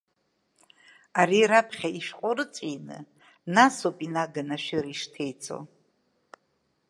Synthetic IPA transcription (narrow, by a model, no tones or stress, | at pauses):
aɾiɾapʰχʲaiʃqʷʼoɾɨt͡sʼinɨ̰ | nasopʼinaɡanaʃɪɾiʂtʰejt͡sʰʼo̰